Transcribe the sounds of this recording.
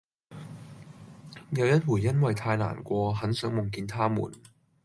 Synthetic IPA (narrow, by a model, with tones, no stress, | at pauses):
jɐ˨˧wjɐ˥t̚wuː˨˩jjɐ˥nwɐ˨jt̪ʰaː˧jla̰ː˨˩nkʷɔː˧ɦɐ˨˥nsœː˨˥ŋmʊ˨˩ŋkiː˧nt̪ʰaː˥mṵː˨˩n